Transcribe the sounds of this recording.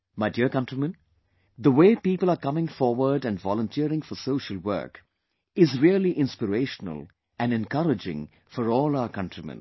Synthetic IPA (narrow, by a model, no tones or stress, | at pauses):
maɪdiəkʌ̃ntɹimə̃n | d̪əweːpiːpəlˠəkʌmɪ̃ŋfɔːwə˞ɖæ̃nɖvɔlə̃ntʰiəɾɪ̃ŋfɔsoːʃəlwɜ̰˞k | ɪzɹiəliʔɪ̃nspɪɾeːʃənə̰l | ʔæ̃nɖɛ̃nkʌɾɪd͡ʒɪ̰̃ŋ | fɔɾɔːlaʊəkʌ̃ntɹimɛ̰̃n